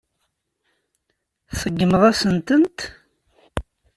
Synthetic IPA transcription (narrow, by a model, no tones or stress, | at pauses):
θəɡːəməðˤæsənt̪ənt̪